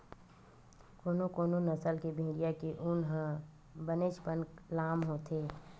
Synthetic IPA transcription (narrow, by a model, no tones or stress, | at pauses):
koːnokoːnonəsəlkebʱẽːɽijakeʔʊnɦə̃ | bəneːʃpənklaːmɦoːt̪ʰeː